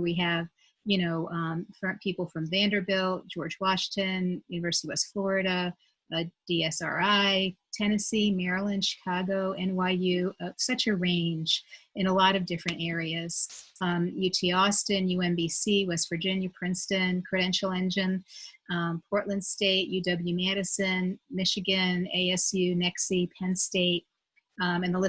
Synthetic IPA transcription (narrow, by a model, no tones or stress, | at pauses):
wiɨv̥ | jɨñoʊ̃fɹʌ̃pʰipl̩ˠfɹʌ̃mvæ̃ndə˞vɪlˠd̥d͡ʒɔɹd͡ʒwɑʃɪ̃tʰɨ̃njʉnɨvɜ˞sɨɾiwɛstflɔɹɨɾɨ | d̥iɛsɑ̰ɹaɪtʰɛñɨsimɛɹlˠɨ̃nʃɨ̥kʰɑɡoʊʔɨ̃nwaɪjʉʌsʌt͡ʃɨɹẽɪ̃nd͡ʒɨ̃nəlɔɾʌvdɪfɹɨ̃ñtɛɹiɨz̥ | jʉtʰiɔstɨ̃njʉɛ̃nbisiwɛstv̥ə˞d͡ʒɪ̃njɨpʰɹ̥ɪ̃nstɨ̃nkʰɹ̥ɨɾɛ̃nʃl̩ˠɛ̃nd͡ʒɨ̃n | pʰɔɹʔˡlɨ̃nd̥steɪʔ̚jʉdʌbl̩ˠjʉmæɾɨsɨ̃nmɪʃɨɡɨ̃nḛɪɛsjʉnɛksipʰɛ̃nsteɪt̚ | ɨ̃nðəl